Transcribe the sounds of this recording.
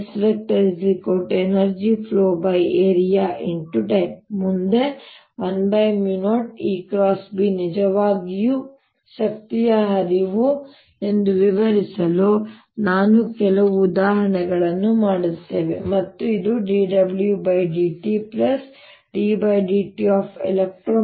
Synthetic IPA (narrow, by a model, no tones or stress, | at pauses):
sʋek̚ʈɐɾisikoʈenɐɾd͡ʒipʰloːbɐjeːɾijaːʔiɳʈuʈɐjp̚mund̪e̞ | ʋɐnbɐjmjunoːʈiːkɾaːsbinid͡ʒɐʋaːɡiju | ʃɐk̚t̪ijɐɦɐɾiʋu | e̞nd̪uʋiʋɐɾisɐloː | naːnukɛlɐʋuːd̪aːɦɐɳɛɡɐɭɐnːumaːɽut̪ːe̞ːʋe̞̰mɐt̪ːuid̪uɖiːɖɐbljubɐjɖiːʈiplɐs | ɖiːbɐjɖiːʈiaːpʰḛlek̚ʈɾoː